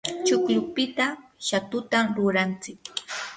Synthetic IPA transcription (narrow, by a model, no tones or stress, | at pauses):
t͡ʃʊklʊpɪt̪aʃat̪ʊt̪amɾʊɾant͡sɪk